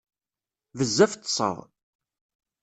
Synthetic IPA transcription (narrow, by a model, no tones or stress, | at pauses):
vəzːæft̪ːsˤə̰ðˤ